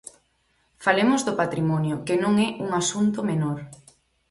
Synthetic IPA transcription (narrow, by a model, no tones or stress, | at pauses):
falemʊzðʊpat̪ɾimɔnjʊkɪnõŋɛʔuŋasunt̪omenoɾ